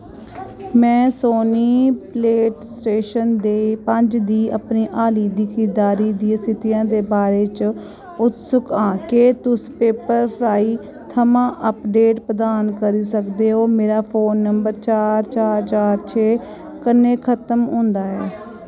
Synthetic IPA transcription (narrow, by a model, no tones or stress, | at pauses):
mɛ̃ːsoːniːpleːʈsʈeːʃənd̪eːpəɲd͡ʒd̪iːʔəpniːʔaːliːd̪iːkɪd̪aːɾiːd̪iːsɪt̪ijãːd̪eːbaːɾeːt͡ʃ | ʊt̪sʊkãːkeːt̪ʊspeːpəɾpʰɾaːiː | t̪ʰəmãːʔəpɖeːʈpɾəd̪aːnkəɾiːsəkd̪eːɦoːmeːɾaːpʰoːnːəmbəɾt͡ʃaːɾt͡ʃaːɾt͡ʃaːɾt͡ʃʰeː | kənːeːkʰət̪əmõːnd̪aːɛː